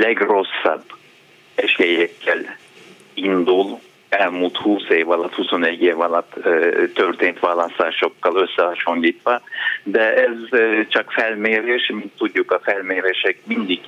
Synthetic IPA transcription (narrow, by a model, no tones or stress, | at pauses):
lɛɡro̞sːɑ̰bː | ɛʃejɛkʰːɛl | ind̪ul | ɛlmult̪huːseːvɒlɒt̪huso̞nɛɟːeːvɒlɒt̪ːt̪ːø̞rt̪eːnt̪ʋaːlɑst̪aːʃo̞kːɑlø̞sːɛhɑʃo̞nliːt̪ʋɒd̪ɛɛzt͡ʃɒkfɛlmeːɾeːʃmint̪ːuɟːukɒfɛlmeːɾeːʃɛk̚mind̪iɡ